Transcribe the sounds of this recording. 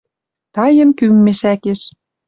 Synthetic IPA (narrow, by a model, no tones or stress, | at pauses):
t̪ɑjə̆nkymːeʃækeʃ